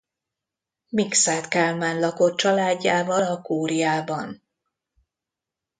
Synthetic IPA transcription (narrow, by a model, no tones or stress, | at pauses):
miksaːt̪kalmaːnlɒko̞t̪̚t͡ʃɒlaːɟːaːvɒlɒkuːɾijaːbɒn